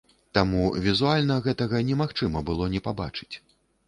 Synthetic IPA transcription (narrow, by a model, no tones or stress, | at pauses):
t̪amuvʲizualʲnɐɣɛt̪ɐɣɐnʲɛmaxt͡ʂɨmɐbɨlˠɔnʲɛpaba̰t͡ʂɨ̥t͡sʲ